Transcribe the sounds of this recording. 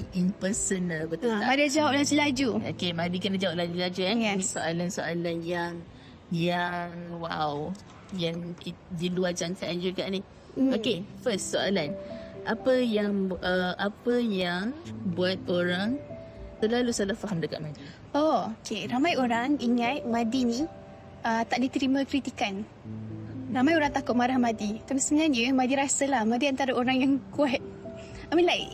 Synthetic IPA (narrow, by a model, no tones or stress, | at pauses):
impəsənalbət̪uamadiad͡ʒawap̚lad͡ʒulad͡ʒuo̰kemadikənad͡ʒawap̚lad͡ʒulad͡ʒujamĩsoʔalansoʔalanjaŋ | jaŋwaw | jaŋkidiluad͡ʒaŋkaʔand͡ʒukaʔni | okefəstsoalanʔapəjaŋʔəʔapəjaŋbuat̪̚oɾaŋ | t̪əlalusalafaɦamdəka̰ʔ̚madi | ʔookʰeɾamajoɾaŋiŋat̪̚mãdinĩ | ət̪aʔdit̪əɾimãkɾit̪ikan | ramajoɾaŋt̪akʊt̪̚maɾahmadit̪apisəmaɲadjəmadiɾasəlahmadiant̪aɾaoɾaŋjaŋkuat̪̚ | amilaj̰